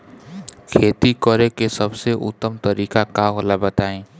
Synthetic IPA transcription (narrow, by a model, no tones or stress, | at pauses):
kʰeːt̪ikɔɾekesəbseʔʊ̰t̪ːəmt̪əɾiːkakaɦolabət̪aːẽː